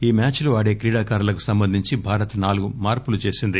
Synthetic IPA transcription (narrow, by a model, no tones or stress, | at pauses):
iːmaːt͡ʃluʋaːɽe̞ːkɾiːɽaːkaːɾɐlɐku̥sɐmbɐnd̪ʱiɲt͡ʃibʱaːɾɐt̪ɐnaːluɡumaːɾpulut͡ʃe̞ːsind̪i